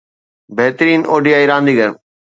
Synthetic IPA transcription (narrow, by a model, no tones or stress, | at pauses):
beɦt̪ɾiːnoːɖijaːiɾãːnd̪iːɡəɾ